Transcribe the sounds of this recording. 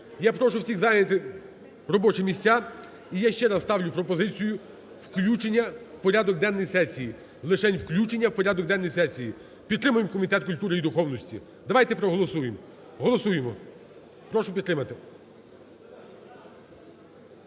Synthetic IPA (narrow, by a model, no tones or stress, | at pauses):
japɾɔʃʊwsʲiɣzɑjnʲɐt̪ɪ | rɔbɔt͡ʃɪmʲisʲtʲa | ijaʃt͡ʃɛɾɐsst̪ɑwlʲʊpɾɔpɔzɪt͡sʲijʊ | wklʲut͡ʃenʲːɐwpɔɾʲad̪ɔk̚d̪ɛnːɔjsɛsʲiji | lˠɪʃɛnʲwklʲut͡ʃenʲːɐwpɔɾʲad̪ɔk̚d̪ɛnːɔjsɛsʲiji | pʲid̪t̪ːɾɪmʊjemkɔmʲit̪ɛt̪̚kʊlʲt̪uɾɪid̪ʊxɔwnɔsʲtʲḭ | d̪ɐʋajt̪ɛpɾɔɦɔlˠɔsujem | ɦɔlˠɔsujemɔ | pɾɔʃʊpʲid̪ɾɪmɐt̪ɪ